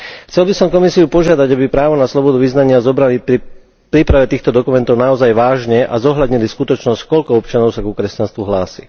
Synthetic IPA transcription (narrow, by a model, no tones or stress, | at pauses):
xt͡sɛlbisɔmkɔmisiupɔʒɪad̪aɟabipɾaːʋɔnaslɔbɔd̪uʋiznaɲɪazɔbɾali | pɾiːpɾaʋɛt̪iːxt̪ɔd̪ɔkumɛnt̪ɔʊnaɔzajʋaːʒɲɛʔa̰zɔɦʎad̪ɲiliskut̪ɔt͡ʃnɔsckɔʎkɔɔpt͡ʃanɔʊsakukɾɛscanst̪ʋuɦlaːsḭ